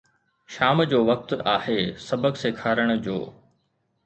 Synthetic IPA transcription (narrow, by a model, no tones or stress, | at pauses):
ʃaːmd͡ʑoːʋɐk̚t̪aːheːsɐbəksekʰaːɾəɽ̃d͡ʑo̰ː